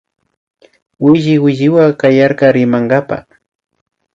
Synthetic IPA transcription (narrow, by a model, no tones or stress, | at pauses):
wɪʒɪwɪʒɪwakajaɾkɑɾɪmaŋɢapa̰